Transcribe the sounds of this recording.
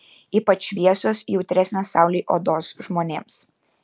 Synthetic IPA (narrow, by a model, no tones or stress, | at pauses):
iːpɐt͡ʃʋʲiɛsoːsjɛʊt̪ʲɾʲɛsʲnʲɛsɑˑʊlʲiːʔo̰d̪oːsʒmoːnʲeːms